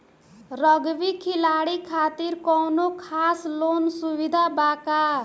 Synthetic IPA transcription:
ɾʌɡʋikʰilaɽikʰaːt̪iɾkɔwnokʰaːslonsuʋid̪ʱabaka

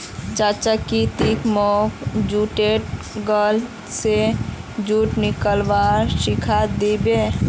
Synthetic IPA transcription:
t͡ʃaːt͡ʃakit̪ikmɔkd͡ʒuʈeʈ̚ | ɡəl | sed͡ʒuːʈnɪkəlʋaɾsɪkʰad̪ibe

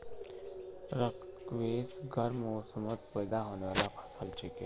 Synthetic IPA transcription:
ɾəkkʋeːsɡʱɐɾmoːsəmət̪pəjd̪aɦoːneʋaːlapʰasəlt͡ʃeke

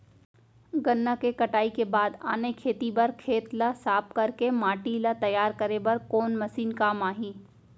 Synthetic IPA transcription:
ɡɐnːakekɐʈaːikebaːd̪a̰ːnekʰeːt̪ibɐɾkʰeːt̪lasaːp̚kɐɾkemaːʈilat̪ɐjaːɾkɐɾebɐɾkoːnmɐsiːnkaːmaːɦĩː

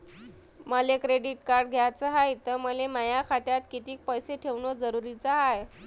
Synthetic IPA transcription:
məlekɾeɖiʈkaɾɖɡʱjat͡səɦajt̪əɾməleməjakʰat̪jat̪kit̪iːk̚pəjseʈʰeʋnod͡zəɾuɾit͡saɦaj

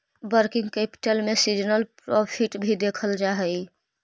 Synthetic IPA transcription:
bəɾkĩŋɡkepi̥ʈelmesid͡ʒnəlpɾɔpʰiʈbʱid̪ekʰəld͡ʒaɦɛj

